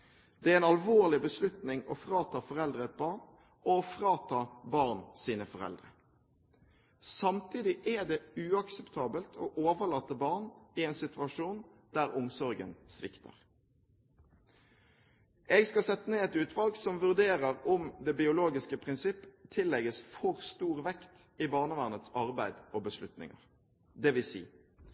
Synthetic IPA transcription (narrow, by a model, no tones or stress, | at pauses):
d̪̥ɛæɛnɑlʋoːʁlɪbəslʉt̪nɪŋɔfʁɑːt̪ʰɑːfɔʁɛld̪ʁəɛt̪̚bɑʁn | ɔfʁɑːt̪ʰɑːbɑʁnsiːnəfɔʁɛ̰ld̪ʁə | sɑmt̪ʰiːd̪ɪʔæd̪ɛʉːɑksɛpt̪ʰɑːbəlt̪ʰo̰ːʔoːʋəʁlɑːt̪ːəbɑʁnɪɛːnsɪt̪ʉɑʂuːnd̪̥æʁʊmsɔʁɡə̰nsʋɪ̰kt̪ʰə̰ʁ | ɛɡskɑsɛt̪ːəneːɛt̪ʉːt̪ʰʋɑlɡsɔmʋʉʁd̪eːʁəʁʊmd̪ɛbɪʊloːɡɪskəpʰʁɪnsɪpːt̪ʰɪlːɛɡəsfɔʁst̪uːʁʋɛkt̪ɪbɑːʁnəʋæʁnət̪sɑʁbæɪd̪oːbəslʉt̪nɪ̰ŋə̰ʁ | d̪ɛʋɪsḭː